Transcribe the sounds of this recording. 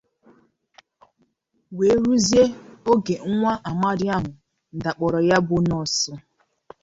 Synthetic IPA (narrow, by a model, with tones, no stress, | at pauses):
we˨˦ɾu˦zje˦o˦ɡe˨ŋ̩˦ŋʷa˦ʔa˨ma˦ɾi˦a˦ɦʊ˨ | n̩˨da˨k͡pɔ˨ɾɔ˨ja˦bʊ˦nɔ˨sɔ˦